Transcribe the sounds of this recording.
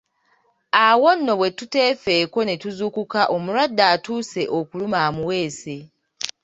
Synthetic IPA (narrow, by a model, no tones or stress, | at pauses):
awo̞nːo̞βwe̞tute̞ːfe̞ːko̞ne̞tuzukukaʔo̞muɾadːaːtuːse̞ʔo̞kulumaːmuwe̞ːse̞